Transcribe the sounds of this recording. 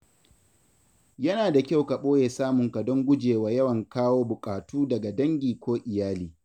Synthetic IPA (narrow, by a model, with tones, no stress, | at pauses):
jɐ˦naː˨da˨kʲa˦˨wka˨ɓoː˦jeː˨saː˦mʊ˨ŋka˨dɔ˦ŋɡʷʊ˦d͡ʒeː˨waː˨jɐ˦wɐ˨ŋkaː˦woː˦bʊ˨kʼaː˨tuː˦dɐ˨ɡa˨dɐ˦ŋɡʲiː˨kʷoː˦ʔɪ˨jaː˦liː˨